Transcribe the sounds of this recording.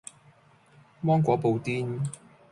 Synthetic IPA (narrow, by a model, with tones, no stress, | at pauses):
mɔː˥ŋkʷɔː˨˥po˨˧wt̪iː˥n